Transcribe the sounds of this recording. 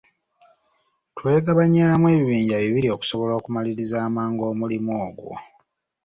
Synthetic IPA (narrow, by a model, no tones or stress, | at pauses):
twe̞ːɡaβaɲaːmwe̞ːβiβiːɲɟaβiβilio̞ku̥so̞βo̞lo̞ːkumaliɾizaːmaːŋɡo̞ːmulimoːɡwo̞̰